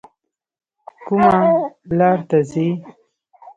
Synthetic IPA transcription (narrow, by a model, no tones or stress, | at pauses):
kʊmalɑɾt̪azi